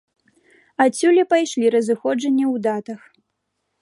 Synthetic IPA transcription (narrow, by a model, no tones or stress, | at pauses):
asʲulʲɛpajʂlʲiɾɐzɨxɔd͡ʐɐnʲːiwd̪at̪ɐx